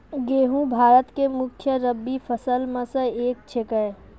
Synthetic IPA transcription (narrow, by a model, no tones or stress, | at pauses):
ɡeːɦũbʱaːɾət̪kemʊkʰjəɾəbːifʰəsəlmə̃səeːk̚t͡ʃʰekəe